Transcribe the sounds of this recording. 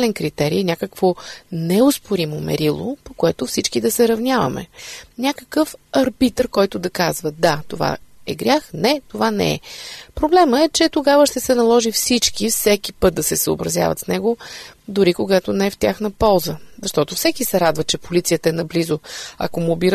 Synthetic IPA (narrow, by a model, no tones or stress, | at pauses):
lɛnkɾit̪ɛɾḭjnʲakəkvonɛʊspoɾimomɛ̰ɾilˠo̰pokoɛt̪ʊfsit͡ʃkid̪ɐsɛɾɐvnʲavɐ̰mɛ̰nʲakə̥kəfɐɾbit̪rkɔjt̪ʊd̪ɐkazvəd̪at̪ova̰ɛɡɾʲjaxnɛt̪ovanɛ̰ɛ̰pɾoblɛməɛt͡ʃɛt̪oɡavəʃt̪ɛsɛnɐlˠɔʒifsit͡ʃkifsɛkipɤt̪̚d̪ɐsɛsəo̰bɾɐzʲja̰və̰t̪snɛɡod̪ʊɾikoɡat̪onɛɛft̪ʲjaxnəpɔlˠzəzɐʃt̪ɔt̪ʊfsɛkisɛɾad̪vət͡ʃɛpolit̪sijət̪əɛnɐblizʊɐ̰komobiɾ